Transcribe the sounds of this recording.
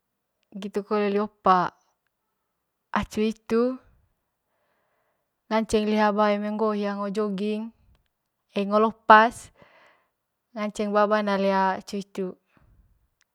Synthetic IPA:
ɡit̪ukoleliopa | at͡ʃuit̪u | ŋaɲt͡ʃɛŋliɦabaimɛŋɡoɦijaŋod͡ʒoɡiŋ | ɛŋɔlɔpas | ŋaɲt͡ʃɛŋbabanaleat͡ʃuit̪u

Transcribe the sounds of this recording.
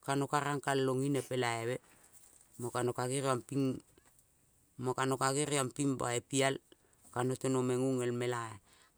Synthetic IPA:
kanokaɾaŋkalloŋinepe̞laeβe | mokanokaɡiɾampiŋ | mokano̞kaɡiɾiampimba̰epial | kano̞tenomeŋuŋe̞lme̞lae

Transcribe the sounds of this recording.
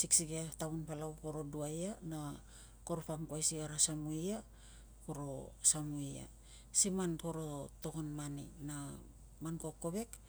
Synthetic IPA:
siksikiataunpalawko̞ɾo̞duajana | ko̞ɾopamkwajsiaɾasamuia | koɾo̞̰samuia̰ | simanko̞ɾo̞to̞konmanḭna | manko̞ko̞βe̞k

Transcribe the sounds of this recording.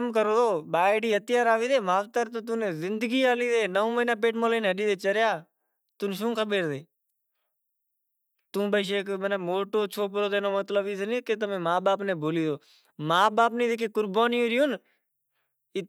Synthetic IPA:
mkəɾoːd̪oːɓaːɪɽiːət̪ɪjaːɾaːʋiːd̪eːmaːʋt̪əɾt̪oːt̪̬ũːneːzɪnd̪əɡiːaːliːd̪eːnəõːmənaːp̬eːʈmoːleːnːəɗiːd̪eːt͡ʃəɾjaː | t̪ʊnʃũːkʰəɓeːɾd̪eː | t̪ũːbəːʃ̬eːkmənaːmoːʈoːt͡ʃʰoːp̬ɾoːd̪eːnoːmət̪ləbiːsənĩːket̪əmẽːmaːɓaːpnẽːbʱoːliːd̪oː | maːɓaːpnĩːd̪ekeːkʊɾbaːnjũːɾiːʊn | ɪ

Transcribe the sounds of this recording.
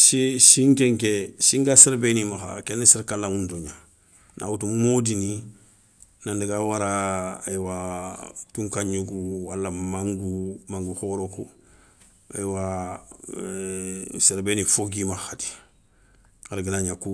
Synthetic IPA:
sisĩŋkɛ̃ŋkɛsĩŋɡaseɾebenimaxa̰kɛneseɾkalːãŋũntoɲa | na̰wutumodini | nãndekawaɾaːjwa | tũŋkaɲukuwalːamãŋɡumãŋɡuxoɾoku | a̰jwa | seɾbenifoɡimaxati̥ | aɾɡenaɲaku

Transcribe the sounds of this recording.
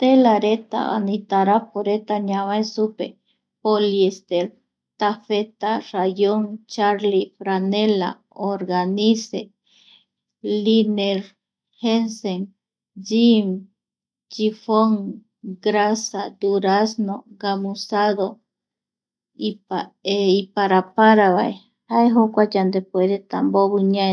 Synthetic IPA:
t̪elaɾet̪a̰a̰nit̪aɾapoɾet̪aɲaβaesupḛ | poliest̪eɾ | t̪afet̪arajoŋt͡ʃaɾlifɾanela̰ | oɾɡanise | lineɾ | henseŋ | d͡ʒim | t͡ʃifoŋ | ɡɾasad̪uɾasnoɡamusaðo | iaeipaɾapaɾaβaj | aeɦokʷad͡ʒand̪epweɾet̪a̰mboβuɲa

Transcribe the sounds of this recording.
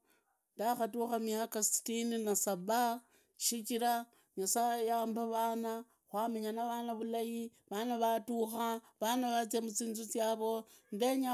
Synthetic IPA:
ndaxatuxamijakasi̥tininasaβa | ʃikiɾa | ɲasajaːmbaβaːna | xwameɲanaβanaβulajiβanaβatuxa | βanaβat͡siemut͡siːnzut͡sjaːβo̞ | ndeɲa

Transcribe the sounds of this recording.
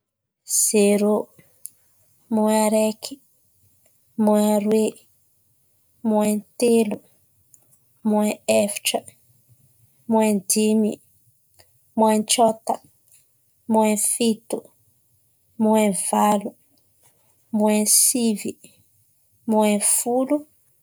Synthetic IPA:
z̥eɾo | muaɾeki̥ | muaɾwe | muent̪elu | muẽefi̥ʈ͡ʂə | muend̪imi | muant͡ʃɔt̪ə | muẽfit̪u | muɛv̥alu | muẽsivi | muẽfulu

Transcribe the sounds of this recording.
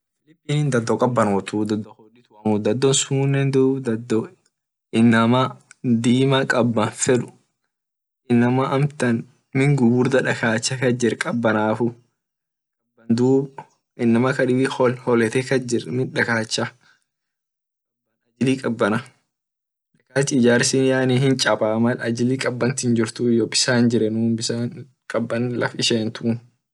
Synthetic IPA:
fɪlɪpːiːnnd̪ɐd̪ːɔkʼɐbːɐnoːt̪uːd̪ɐd̪ːɔholːɪt̪ɐmuːd̪ɐd̪ːɔnsʊmːnːɛnd̪uːd̪ɐd̪ɔ | ɪnːɐmɐd̪iːmɐkʼɐbːɐnfɛᶑʊ̥ | ʔɪnːɐmɐʔɐmt̪ɐn | mɪŋɡʊbʊɾd̪ɐᶑɐkaːt͡ʃːɐkɐd͡ʒɪrkʼɐbːɐnaːfʊ | kɐbːɐnd̪uː | ɪnːɐmɐkɐᶑɪbɪhɔlhɔlɛt̪ekɐd͡ʒɪrmɪᶑɐkaːt͡ʃːɐ | kʼɐbɐnɐd͡ʒɪliːkʼɐbːɐnɐ | ᶑɐkaːt͡ʃːɪɪd͡ʒaːɾsiːnjaːnihɪnt͡ʃʼɐbʼaːmɐlɐd͡ʒɪliːkʼɐbːɐnt̪ɪnd͡ʒɪɾt̪ʊɪjɔbɪsaːnd͡ʒɪɾɛnuːnbɪsaːn | kʼɐbːɐnlɐ̰fɪʃeːnt̪u

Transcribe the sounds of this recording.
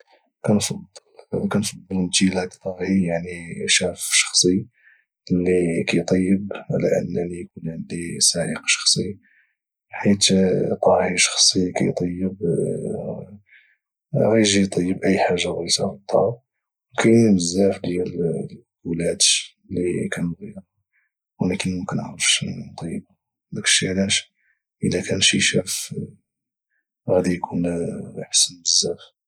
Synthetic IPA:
kænfɑd̪lkænfɑd̪ˤːəlnt̪ilækt̪ˤɑhijaʕniʃæfʃɑ̥xsˤi | lːikæjt̪ˤɑjːəbʕalæ̰ʔə̰nːælijkunʕənd̪isæʕəqʃɑ̥xsˤi | ħit̪t̪ˤɑhiʃɑ̥xsˤikæ̰jt̪ˤɑjːəb | ɣæjʒit̪ˤɑjːəbʔəjːħaʒːaɣæjsɑɾt̪ˤːɑ | wkæjməzːæfd̪jæl | ʔulæd̪ | likænɣijɾ | wlækənmʊmkənʔə̰ʕɾəfʃt̪ˤɑjːəb | lækʃilæʃ | ʔəlækænʃiʃæf | ɣæd̪ijkʰunħə̥sənbəzːæf

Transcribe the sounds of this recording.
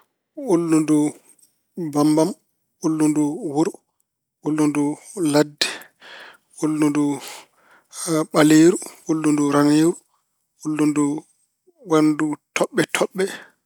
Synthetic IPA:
ʔulːundu | bambam | ʔulːunduwuɾu | ʔulːundu | ladːɛ̥ | ʔulːundu | ɓaleːɾuʔulːunduɾaneːɾu | ulːundu | wandutʰɔɓːɛtʰɔɓːɛ

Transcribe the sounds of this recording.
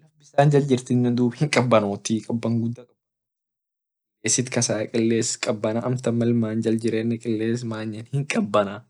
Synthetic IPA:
nɐfbɪsaːnd͡ʒɐld͡ʒɪɾt̪ɪnːɛnd̪uːbhɪŋkʼɐbːɐnoːt̪ikʼɐbːɐŋɡʊd̪ːɐkʼɐbːɐ | keːsːɪt̪kɐsaːkʼɪlːeːskʼɐbːɐnɐʔɐmt̪ɐmːɐlmaːnd͡ʒɐld͡ʒɪɾeːnːɛkʼɪlːeːs̬maːɲːɐnhɪŋkʼɐbːɐnɐ

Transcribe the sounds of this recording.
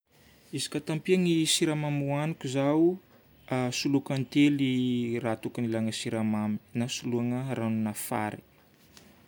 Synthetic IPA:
izi̥kat̪ampiaŋisiɾamamuanikʲuzawu | asulukant̪elirat̪uknilaŋəsiɾamami̥nasuluaŋəranunafa̰ɾi̥

